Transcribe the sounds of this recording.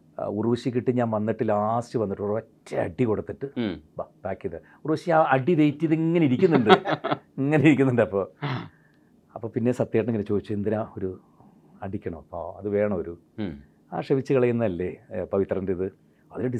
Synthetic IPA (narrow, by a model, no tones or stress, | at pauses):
uruʋuɕikʲːiʈːɨɲaːnʋɐnːiʈːɨlaːstɨʋɐnːiʈːurʋɐtːḛɐ̰ɖikoɽut̪ːiʈːɨbab̥aːkːiðe | uruʋɐɕiaːɐɖiʋejtːiɐðiŋːɐneiɾikʲːunːuɳɖɨiŋːɐneiɾik̬ʲːunːuɳɖɨɐpːo̞ː | ɐpːoːpinːe̞sɐt̪ːjeːʈːɐɳeŋɡilt͡ɕo̞ːd̪it͡ɕːuend̪inaoɾu | ɐɖikʲːɐɳɐmɐpːoɐðɨʋe̞ːɳɐmoɾu | a̰ːʂɐʋit͡ɕːɨkɐɭɐjunːɐɐlːepɐʋit̪rɐndeiðɨ | ɐʋiɾoɖi